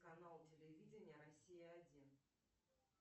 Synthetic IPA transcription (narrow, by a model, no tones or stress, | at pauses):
kɐnalˠtʲɪlʲɪvʲidʲɪnʲɪjəɾɐsʲijəɐdʲin